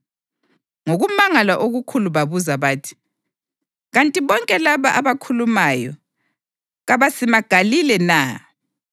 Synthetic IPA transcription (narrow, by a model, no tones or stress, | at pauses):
ŋoɣumaŋalaʔoɣukʰuluβaβuzaβaːtʰi̥ | ɣantʼiβɔŋkʼɛlaβaʔaβakʰulumajɔ | ɣaβasimaɡ̥ʱalilɛnaː